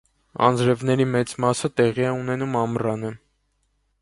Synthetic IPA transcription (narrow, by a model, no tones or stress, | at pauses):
ɑ̰nd͡zɾɛvnɛɾimɛt͡smɑsət̪ɛʁiɛun̪ɛnumɑmrɑnə